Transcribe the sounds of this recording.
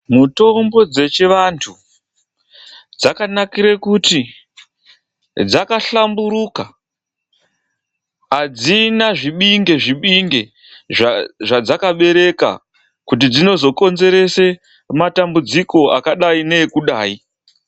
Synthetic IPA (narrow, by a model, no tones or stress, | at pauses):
muto̞mbo̞d͡ze̞t͡ʃeʋantʰu | d͡zakanakiɾekuti | d͡zakaɬambuɾuka | ad͡zinaʐiɓiŋɡe̞ʐiɓiŋɡe̞ | ʐʐad͡zakaɓe̞ɾe̞ka̰ | kut̬id͡zino̞zo̞ko̞nze̞ɾe̞se̞ | matambud͡ziko̞a̰kaɗaine̞ːkuɗaːi